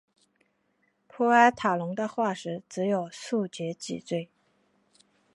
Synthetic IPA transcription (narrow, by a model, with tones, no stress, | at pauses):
pʰɔ˥a˥ɪt̪ʰa˨˩lʊ˧˥ŋd̪ə˧xwa˥˩ʂɻ̩˧˥t͡sɻ̩˧˥jo˨˩ʊsu˥˩t͡ɕjɛ˧˥t͡ɕḭ˨˩t͡swe˥˩ɪ